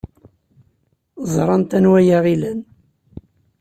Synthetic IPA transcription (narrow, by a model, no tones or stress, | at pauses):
zˤɾˤɑnt̪ænwæjaʁilæn